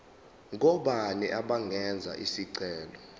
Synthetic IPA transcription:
ŋɔɓaniʔaɓaŋʱɛnd͡zʱa̰ʔisiǀɛːlɔ

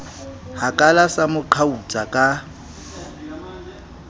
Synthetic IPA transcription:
hakʼalasamʊǃʰaut͡sʼakʼa

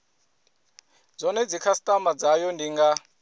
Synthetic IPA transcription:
d͡zɔnɛd͡zikʰasi̥tʼamad͡zajɔndiŋɡa

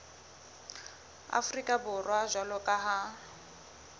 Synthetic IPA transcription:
a̰frikʼabʊrwaʒwalɔkʼaɦa

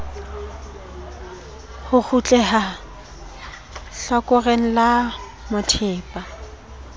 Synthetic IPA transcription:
hʊk͡xʰut͡ɬʼɛha | ɬɔkʼɔreŋ̩la | mʊtʰɪːpʼa

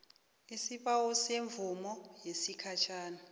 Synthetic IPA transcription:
isiɓawuseɱvumɔjesikʰat͡ʃʰaːna

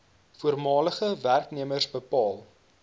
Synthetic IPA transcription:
fuərmɑːləχəværkniəmərsbəpɑːlˠ

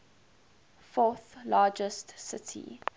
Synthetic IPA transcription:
fɔˑθlɑːd͡ʒəstsɪtʰḭ

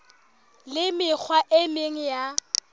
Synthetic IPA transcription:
lɪmɪk͡xʰwaʔɪmeŋ̩ja

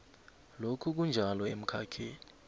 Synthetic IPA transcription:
lokʰuk̬und͡ʒʱalɔem̩kʰa̰kʰeːni

